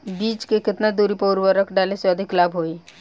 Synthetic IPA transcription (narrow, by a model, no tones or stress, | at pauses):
biːt͡ʃkekɪt̪nad̪uːɾipoːɾʋəɾəkʰɖaːleseɐd̪ʱɪklaːbʱɦoːiː